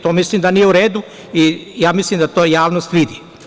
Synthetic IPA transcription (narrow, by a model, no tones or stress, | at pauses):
t̪omislimd̪anijeuɾeːd̪u | ijaːmislimd̪at̪oːjaːʋnost̪ʋid̪i